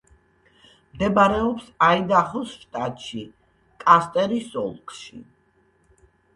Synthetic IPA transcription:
md̪ɛbɾɛɔpsaid̪aχɔsʃt̪ʼat̪ʼʃi | kʼast̪ʼɛɾisɔ̰lˠkʼʃḭ

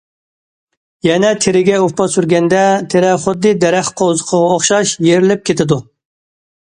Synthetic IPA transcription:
jɛnɛt̪ʰɪɾɪɡʲɛupɑsyɾɡʲɛnd̪ɛt̪ʰeɾɛχʊd̪ːɨd̪ɛɾæχqʰozəqʰəʁɑoχʃɑʃjeɾɪlɪp̚kʲʰet̪ʰɪd̪u

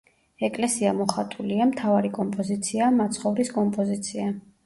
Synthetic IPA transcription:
ɛkʼlɛsiamɔχat̪ʼuliamt̪ʰavaɾikʼɔmpʼɔzit̪sʰiamat̪sʰχɔvɾiskʼɔmpʼɔzit̪sʰia

